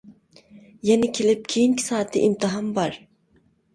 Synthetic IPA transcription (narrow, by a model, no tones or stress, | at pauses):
jenɪkʲʰelɪp̚kʲʰijiŋkʲʰi̥saːt̪ʰːɪ̰ʔimt̪ʰɨɦɑmbɑɾ